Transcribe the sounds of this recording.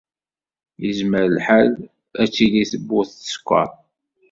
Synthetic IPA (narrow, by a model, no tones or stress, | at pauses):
jəzməɾəlħal | æt͡sːiliθəbːʊθə̥skʷːə̰ˤ